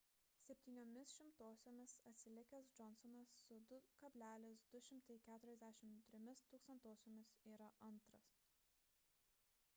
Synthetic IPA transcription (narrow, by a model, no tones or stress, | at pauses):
sʲɛpʲt̪ʲiːnʲomʲɪsʃʲɪmt̪oːsʲoːmʲɪsɐt̪ʲsʲɪlʲɪkʲɛsd͡ʒɔnsɔnɐsːʊd̪ʊkɐbʲlʲæːlʲɪsd̪ʊʃʲɪmt̪ɐɪkʲæːt̪ʊɾʲɛzʲd̪ʲæʃʲɪmt̪ʲɾʲɪmʲɪst̪uːkst̪ɐnt̪oːsʲoːmʲɪsiːɾɐʔɐnˑt̪ɾɐs